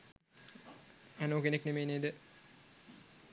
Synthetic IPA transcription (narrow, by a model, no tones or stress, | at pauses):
ænoːkeneknemeːneːd̪ə